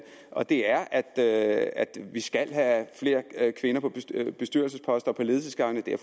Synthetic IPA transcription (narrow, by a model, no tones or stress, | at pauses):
ʔɒ̽d̥e̝æɐʔæd̥øæd̥ʋisɡ̥æl̰ɦæfle̝ːɐkʰʋe̝nɐpʰɒ̥̽b̥e̝sd̥yɐlsəspʰɒ̽sd̥ɒ̽pʰɒ̽le̝ð̞ˠsəsɡ̥ɑ̈ŋ̰nəd̥eɐ